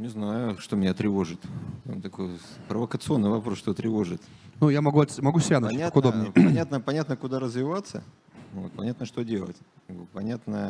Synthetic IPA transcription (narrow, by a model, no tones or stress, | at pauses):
nʲɪznajʊʂt̪omʲɪnʲat̪ɾʲɪvo̞ʐɨt̪a̰mt̪ɐko̞jpɾəvəkət̪sɨo̞nːɨjvɐpɾosʂt̪ot̪ɾʲɪvo̞ʐɨt̪ | nujamɐɡuɐt̪ʲmɐɡusʲɾʲannʲaakʊd̪omnəpɐnʲat̪nəpɐnʲat̪nəkʊd̪aɾəzvʲɪvat̪sə̰ | vot̪̚pɐnʲat̪nəʂt̪odʲelˠə̰tʲ | ɡbɨpɐnʲat̪nə